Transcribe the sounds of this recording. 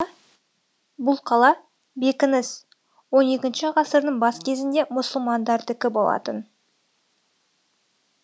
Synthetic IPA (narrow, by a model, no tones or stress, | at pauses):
bʊlˠqʰɑlˠɑ | be̞kʲɪnɪs | wo̞ne̞kʲɪnʃɪʁɑsəɾnəɴbɑskʲʰe̞zɪnd̪e̞mʊsəlˠmɑnd̪ɑɾd̪ɪkʲɪbo̞lˠɑ̰t̪ən